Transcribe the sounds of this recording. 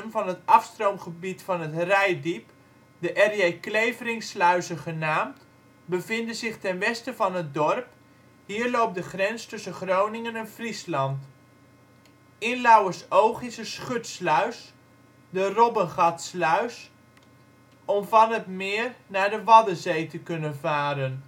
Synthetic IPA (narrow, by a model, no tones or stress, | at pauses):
nvɑnətɑfstrowmχəbitfɑnətrɛjdip | dəʔɛrjejklejvərɪŋslœɥsəχənaːmt | bəvɪndəzɪχtɛnʋɛstəvɑnət̚dɔrp | hiːəɹlowp̚dəχrɛnstɵsəχrownɪŋənɛnfrislɑnt | ɪnlawəsowχɪsəsχøtslœɥs | dərɔbənχɑtslœɥs | ɔmvɑnətmɪːrnaːɹdəʋɑdəzejtəkɵnəvaːɾən